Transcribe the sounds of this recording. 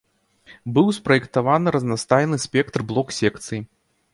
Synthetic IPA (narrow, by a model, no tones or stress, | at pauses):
bɨwspɾɐjɛkt̪avanɨɾɐznast̪ajnɨsʲpʲɛkt̪rblˠɔksʲɛkt̪sɨji